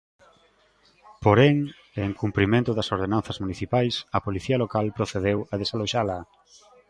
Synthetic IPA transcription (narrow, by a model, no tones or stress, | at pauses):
poɾeŋ | eŋkumpɾimẽnt̪ʊðɐsoɾð̞enanθɐzmuniθipajsɐpoliθiɐlokalpɾoθeðewɐðesaloʃalɐ